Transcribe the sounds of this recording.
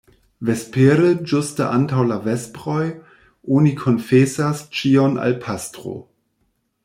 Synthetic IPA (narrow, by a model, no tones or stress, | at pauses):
vespeɾəd͡ʒustəʔantawlavespʁoj | ʔonikʰonfesast͡ʃiona̰lpʰastʁo̰